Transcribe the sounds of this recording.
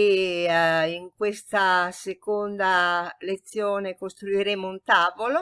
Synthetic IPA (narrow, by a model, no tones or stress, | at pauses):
e | iŋkwest̪asekond̪alet̪sːjoːnekost̪ɾuiɾemount̪aːvolo